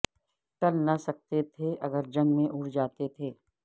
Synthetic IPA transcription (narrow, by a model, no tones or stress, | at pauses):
ʈɐlnɐsɐk̚t̪et̪ʰeʔɐɡəɾd͡ʒɐ̃ŋɡmẽʔʊɽd͡ʒaːt̪et̪ʰeː